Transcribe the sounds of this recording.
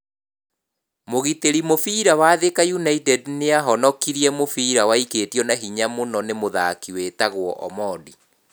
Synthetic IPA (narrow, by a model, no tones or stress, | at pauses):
moɣiteɾimofiːɾawaðekajunaitɛdneaɦɔnɔkiɾiɛmofiːɾawaiketiɔnaɦiɲamonɔnemoðakiwetaɣwɔʔɔ̰mɔːdi